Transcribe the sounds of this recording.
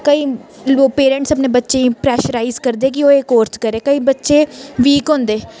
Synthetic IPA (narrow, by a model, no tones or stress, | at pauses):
kəiːoːpeːɾə̃ɳʈsəpneːbətːʃeːĩːpɾɛːʃəɾaːizkəɾd̪eɛːk̬ɪoːekoːɾt̪kəɾeːkəiːbətːʃeːʋiːkɦõːnd̪eː